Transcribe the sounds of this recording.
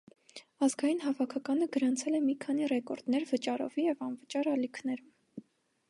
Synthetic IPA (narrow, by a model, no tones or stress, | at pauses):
ɑzɡɑjin̪ɦɑvɑkʰɑkɑnəɡəɾɑnt͡sʰɛlɛmikʰɑnirɛkɔɾd̪̥nɛɾvət͡ʃɑɾɔ̰vijɛvɑnvət͡ʃɑɾɑlikʰnɛɾum